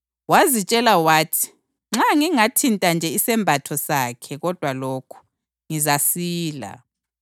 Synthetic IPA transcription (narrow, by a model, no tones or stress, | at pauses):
wazit͡ʃʼɛlawaːtʰi̥ | ŋ͡ǁaŋiŋatʰintʼand͡ʒʱɛisɛmbʱatʰɔsaːkʰɛɣɔd̥ʱwaloːkʰu̥ | ŋizasiːla̰